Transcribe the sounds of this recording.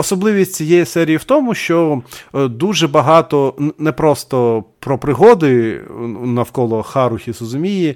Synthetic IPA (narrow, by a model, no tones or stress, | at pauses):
ɔsɔblˠɪʋʲisʲtʲt͡sʲijɛjɛsɛɾʲijiwt̪ɔmʊʃt͡ʃɔ | d̪uʒɛbɐɦɑt̪ɔnɛpɾɔst̪ɔpɾɔpɾɪɦɔd̪ɪ | nɐwkɔlˠɔxɑɾʊxʲizɾɔzʊmʲiji